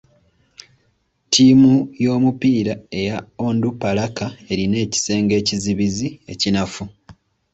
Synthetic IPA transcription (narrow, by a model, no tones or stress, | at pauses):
tʰiːmujo̞ːmupiːɾae̞jaoːndupalakae̞ɾine̞ːci̥se̞ːŋɡe̞ːciziβizie̞̰cinafu